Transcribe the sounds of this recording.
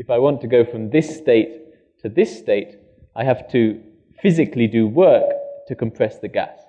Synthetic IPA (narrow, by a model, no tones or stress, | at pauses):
ɨfaɪwɑ̃ntʰɨɡoʊfɹʌ̃mðɪsteɪtʰ | ɨðɪsteɪt | ʔaɪɦæftʰɨ | fɪzɨklidɨwɜ˞ktʰɨkʰɨ̃mpʰɹ̥ɛsðɨɡæ̰s